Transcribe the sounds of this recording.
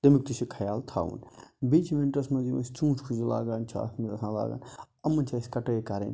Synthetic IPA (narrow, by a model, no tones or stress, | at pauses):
t̪ɐmik̚t̪usikʰɐjaːlt̪ʰaːʋṵnbiːt͡ʃʰmenʈɐsmɐ̃ziɐst͡ʃũːt͡ʃʰkʰuzila̰ːɡaːnt͡ʃʰa̰ːt̪mid̪ɐsãːla̰ːɡa̰ːn | ɐmːɐnt͡ʃʰaːsʲkɐʈekɐɾḛn